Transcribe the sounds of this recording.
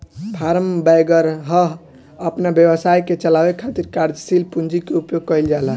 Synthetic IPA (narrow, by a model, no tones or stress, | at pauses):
pʰaɾəmbajɡəɾɦəɦ | əpnabjəbəsajket͡ʃəlabekʰat̪iɾkaɾd͡ʒsilpund͡ʒikeupjoɡ̚kəjld͡ʒala